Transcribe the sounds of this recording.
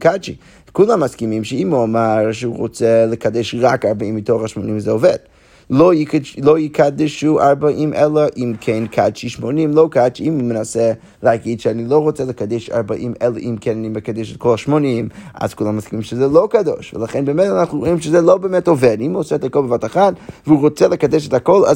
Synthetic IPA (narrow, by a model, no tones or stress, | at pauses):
kʰat͡ʃḭ | kulˠamːaskimimʃəimuamaɾʃəuʁot͡sɛləkadɛʃʁakaɾbaimːitoχaʃmonimzɛovɛd̥̚ | lˠoiklˠoikʰadɪʃuaɾbaʔimʔɛlˠəʔimkʰɛnkʰat͡ʃiʃmonimlˠokat͡ʃiimmənasɛ | lˠeaɡidʃɛanilˠoʊʁot͡sɛləkadɛʃa̰ɾbaʔimʔɛlˠəʔimkʰɛnaniməkadɛʃɛt̚kʰɔlˠaʃmonima̰zkuːlˠamaskimimʃəzɛlˠokado̰ʃvəlˠaχɛnbɛmɛtanaχnuʁoimʃəzɛlˠobɛmɛtovɛdimuosɛɛtakɔlˠbəvataχatvəuʁot͡sɛlˠəkadɛʃɛtakɔlˠa̰